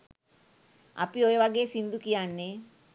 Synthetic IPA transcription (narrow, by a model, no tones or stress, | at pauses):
a̰piojeʋaɡeːsind̪ukijanːe